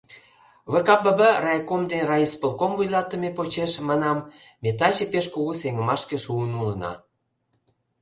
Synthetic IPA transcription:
βə̆kɑpə̆bərɑjkomd̪enrɑispə̆lkomvujlɑt̪ə̆mepot͡ɕeʃmɑnɑmː | et̪ɑt͡ɕĕpeʃkuɣuseŋə̆mɑʃkĕʃuənulənɑ̰

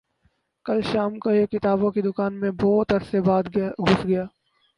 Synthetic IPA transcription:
kɐlʃaːmkoekɪt̪aːbõkid̪ʊkaːnmẽbɔːt̪ɐɾsebaːd̪ɡʱʊsɡɐjaː

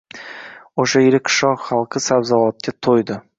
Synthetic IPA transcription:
oʃajeɾɪkʲʃɒχalˠqʰɨsabzalˠɒt̪̚kʲʰat̪ʰojd̪ɪ

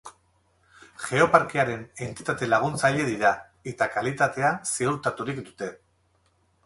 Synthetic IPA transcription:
ʝe̞o̞paɾkiaɾe̞ne̞nt̪it̪at̪e̞laɣ̞unt͡saʎe̞ðiɾa | e̞t̪akalit̪at̪e̞asiuɾt̪at̪uɾikd̪ut̪e̞

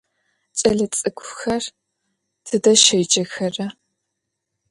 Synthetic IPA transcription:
t͡ʃʼɐɮɐt͡sʼɨkʷʰʼʊxɐr | tʰɨdɐʃɐjd͡ʒɐxɐrɐ

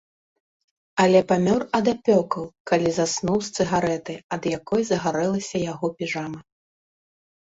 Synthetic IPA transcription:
ɐlʲɛpamʲɔrɐd̪apʲɔkɐwkalʲizasnuwst̪sɨɣaɾɛt̪ɨɐd̪jakɔjzɐɣaɾɛlˠɐsʲɐjaɣɔpʲiʐamɐ

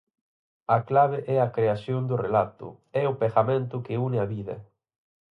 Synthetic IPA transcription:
ɐklaβ̞ɪʔɛɐkɾeasjond̪ʊrelat̪ʊ̰ | ɛʊpesamẽnt̪ʊkɪunɪaβiðɐ̰

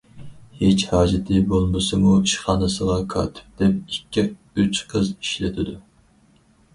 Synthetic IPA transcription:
het͡ʃhɑːd͡ʒɪt̪ʰɪbolˠmɨsɨmuiʃχɑːnɨsəʁɑkʰɑ̰ːt̪ʰɪ̥p̚d̪̥ɛp̚ikʲːi | yt͡ʃqʰəziʃlɪt̪ʰɪd̪u

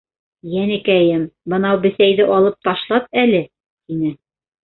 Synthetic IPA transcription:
jænɘ̆kæjɘmbɤ̆nɑwbɘ̆sæjðɘʔɒlˠɤp̚t̪ɒʃlˠɑp̚ælɘ | t̪inɘ

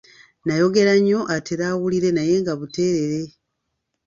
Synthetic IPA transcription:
najo̞ɡe̞ɾaɲːo̞ʔateɾawuliɾe̞naje̞ŋɡaβute̞ːɾeɾe̞

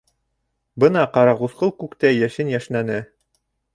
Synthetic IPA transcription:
bɤnɑqɑɾɑʁuθqɤlˠkʉkt̪æjæʃɘnjæʃlænɘ

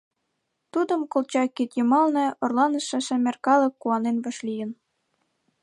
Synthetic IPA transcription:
t̪ud̪ə̆mkolt͡ɕɑkːit̪jɤmɑlnɤ̆orlɑnə̆ʃĕʃɘ̆mʲerkɑlɤ̆kːuɑnenβɤ̆ʃlijə̆n

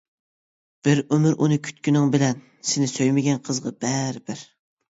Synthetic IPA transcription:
b̥ɪɾømyɾʔunɨkʲʰy̥t̪kʲynɪŋbɪlɛn | sɪnɪsøjmɪɡʲɛnqʰəzʁɑbɛɾɪbɪɾ

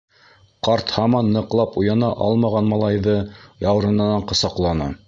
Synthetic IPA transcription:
qɑɾt̪hɑmɑnːɤ̆qlˠɑpujɑnɑʔɑ̰lˠmɑʁɑnmɑlˠɑjðɤjɑw̆ɾɤ̆nɤ̆nɑɴqɤ̆sɑqlˠɑnɤ̰

